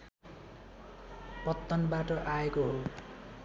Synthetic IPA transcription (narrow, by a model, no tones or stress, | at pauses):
pʌt̪ːʌnbaʈʌʔaekoɦo